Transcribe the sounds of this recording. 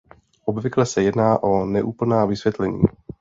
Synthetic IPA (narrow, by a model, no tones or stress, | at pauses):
ʔobvɪklɛsɛjɛdnaːʔo̞nɛʔuːpl̩naːvɪsvjɛt̪lɛɲḭː